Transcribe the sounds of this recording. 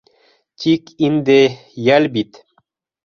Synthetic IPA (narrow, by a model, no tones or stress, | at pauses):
tʲʰikind̪e | jalbit̪